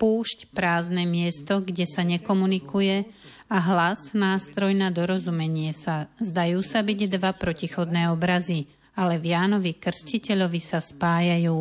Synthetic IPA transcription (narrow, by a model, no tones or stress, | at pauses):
puːʃcpɾaːznɛːmɪɛst̪ɔɡɟɛsaɲɛkɔmunikujɛ | aɦlaznaːst̪ɾɔjnad̪ɔɾɔzumɛɲɪɛsazd̪ajuːsabiɟd̪ʋapɾɔcixɔd̪nɛːɔbɾazi | alɛʋɪjaːnɔʋikr̩scicɛʎɔʋisaspaːjajuː